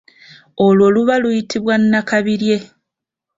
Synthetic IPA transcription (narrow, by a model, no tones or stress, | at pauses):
olwo̞ːluβalujitʰiβwanːakaβiɾje̞